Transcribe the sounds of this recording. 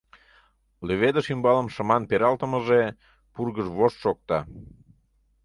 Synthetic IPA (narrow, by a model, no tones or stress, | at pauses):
løβed̪əʃimbɑləmʃə̆mɑnpeɾɑlt̪əməʒe | purɣəʒβoʃʃok̚t̪ɑ